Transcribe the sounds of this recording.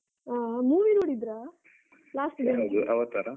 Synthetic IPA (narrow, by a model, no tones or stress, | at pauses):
aːmuːʋinoːɽid̪ɾaː | laːsʈid̪eɐd̪uʔɐʋɐt̪ːaɾɐ